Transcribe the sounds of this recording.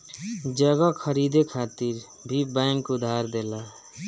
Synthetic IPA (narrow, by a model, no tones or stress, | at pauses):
d͡ʒʌɡʌkʰʌɾid̪ekʰat̪iɾ | bʱibaŋkud̪ʱaɾd̪ela